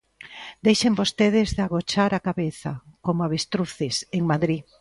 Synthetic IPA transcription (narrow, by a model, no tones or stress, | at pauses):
d̪ejʃembost̪eðɪzðeaɣot͡ʃaɾakaβeθakomoaβest̪ɾuθeseŋmaðɾi